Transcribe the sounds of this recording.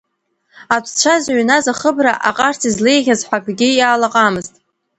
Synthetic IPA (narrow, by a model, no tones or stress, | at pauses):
atʷʰt͡ʃʷʰazɥnazaχəbraʔa̰qʼartʰizlejʁʲazħʷakʷʰʼɡʲɪjaːlaqʼamɨztʼ